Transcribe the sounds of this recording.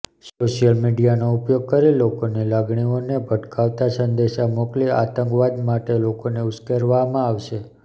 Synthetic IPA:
soʃijəlmiɖijanoʊpjoɡ̚kəɾelokonelaɡɳionebʱəʈkʰaʋt̪asənd̪eʃamokliat̪əŋkʋad̪maʈelokoneʊskeɾʋamãaʋʃe

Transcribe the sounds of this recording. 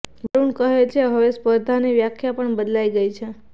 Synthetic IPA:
bəɾuɳkəɦet͡ʃʰeɦəʋespəɾd̪ʱaneʋjakʰjapəɳbəd̪laiɡəit͡ʃʰe

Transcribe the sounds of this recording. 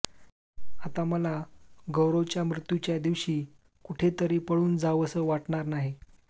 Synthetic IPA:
at̪aməlaɡəwɾot͡ɕjamɾut̪jut͡ɕjad̪iʋɕiː | kuʈʰet̪əɾiːpəɭuːnd͡zaəsəːʋaʈɳaɾnaɦi

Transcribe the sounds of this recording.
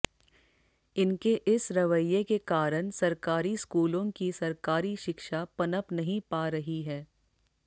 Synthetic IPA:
ɪnkeʔɪsɾɐʋəjekekaːɾəñsɐɾkaːɾiskuːlõkisɐɾkaːɾiʃɪkʃapɐnəpnɐɦĩpaːɾɐɦiɦɛː

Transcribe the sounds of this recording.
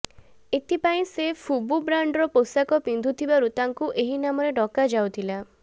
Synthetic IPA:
et̪ʰipaĩsefʰububɾaɳɖɾɔposakɔpind̪ʱut̪ʰibaɾut̪aŋkuʔeɦinamɔɾeɖɔkad͡ʒawt̪ʰila

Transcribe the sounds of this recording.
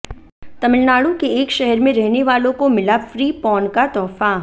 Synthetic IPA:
t̪ɐmɪlnaːɽũkeːkʃɛɦɛɾmẽɾɛɦneʋaːlõkomɪlafɾiːpɔːnkat̪ɔːfa

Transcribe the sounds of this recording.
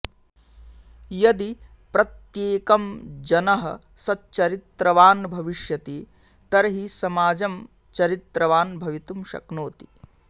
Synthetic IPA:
jɐd̪i | pɾɐt̪jeːkɐmd͡ʒɐnɐɦɐ̰ | sɐtt͡ʃɐɾit̪ɾɐʋaːnbʱɐʋiʃjɐt̪i | t̪ɐɾɐɦisɐmaːd͡ʒɐm | t͡ʃɐɾit̪ɾɐʋaːnbʱɐʋit̪umʃɐ̰knoːt̪i̥

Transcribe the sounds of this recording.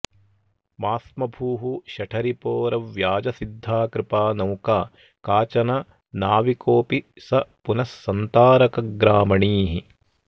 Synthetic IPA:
maːsmɐbʱuːɦuʃɐʈʰɐɾipoːɾɐʋjaːd͡ʒɐsid̪ʱːaːkɾɪpaːnɐwkaː | kaːt͡ʃɐnɐ | naːʋikoːpi | sɐpunɐsːɐnt̪aːɾɐkɐɡɾaːmɐɳiːɦi

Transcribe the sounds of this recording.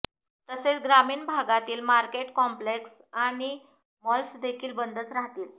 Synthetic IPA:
t̪əset͡sɡɾamiːɳbʱaɡat̪iːlmaɾkeʈkɔmpleks | aɽ̃i | mɔlsd̪ekʰiːlbənd̪ʱət͡sɾaɦt̪iːl

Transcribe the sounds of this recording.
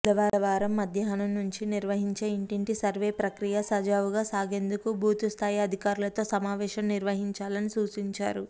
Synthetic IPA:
d̪ɐʋaːɾɐʋaːɾɐmːɐd̪ʱjɐɦɐnɐmnuɲt͡ʃiniɾʋɐɦiɲt͡ʃeːiɳʈiɳʈisɐɾʋe̞ːpɾɐkɾijɐsɐd͡ʒaːʋuɡaːsaːɡe̞ːnd̪ukubʱuːt̪ust̪ʰaːjɐd̪ʱikaːɾulɐt̪o̞ːsɐmaːʋɛːʃɐmniɾʋɐɦiɲt͡ʃaːlɐnisuːt͡ʃiɲt͡ʃa̰ːɾu

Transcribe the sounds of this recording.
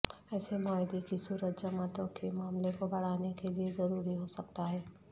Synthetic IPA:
ɛːsemɔːɪd̪ekisuːɾət̪d͡ʒəmət̪õkemaːmlekobɐɽ̤aːnekeliezɐɾuːɾiɦosɐk̚t̪aɦɛː

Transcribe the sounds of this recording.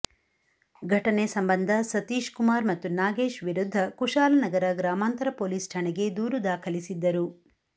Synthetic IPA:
ɡʱɐʈɐnesɐmbɐnd̪ʱɐsɐt̪iːʃkumaːɾmɐt̪ːunaːɡe̞ːʃʋiɾud̪ʱːɐkuʂaːlɐnɐɡɐɾɐɡɾaːmaːnt̪ɐɾɐpoːliːsʈʰaɳeɡe̞d̪uːɾud̪aːkʰɐlisid̪ːɐɾu

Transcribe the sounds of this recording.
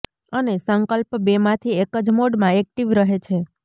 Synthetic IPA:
ənesəŋkəlpbemãt̪ʰiekəd͡ʒmoɖmãek̚ʈiʋɾəɦet͡ʃʰe

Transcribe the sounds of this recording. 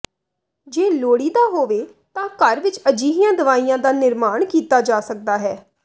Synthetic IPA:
d͡ʒeːloːɽiːd̪aːɦoːʋeː | t̪ãːkəɾʋɪt͡ʃəd͡ʒiːɦijãːd̪əʋaːiːjãːd̪aːnɪɾmaːɳkiːt̪aːd͡ʒaːsək̚d̪aːɦɛː

